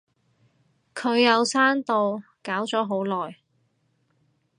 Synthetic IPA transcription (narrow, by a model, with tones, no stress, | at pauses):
kʰɵ˨˧ɥjɐ˨˧wsaː˥nt̪o˨w | kaː˨˥wt͡sɔː˨˥ɦo˨˥wlɔː˨j